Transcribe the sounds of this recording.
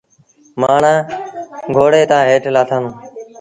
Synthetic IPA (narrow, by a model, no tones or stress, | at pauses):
maːɳãː | ɡʱoːɽeːt̪ãːɦeːʈlaːt̪ʰənː